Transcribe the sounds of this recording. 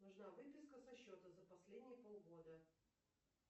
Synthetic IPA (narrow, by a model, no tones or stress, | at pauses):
nʊʐnavɨpʲɪskəsɐɕːot̪əzəpɐsʲlʲedʲnʲɪjəpolˠɣo̞d̪ə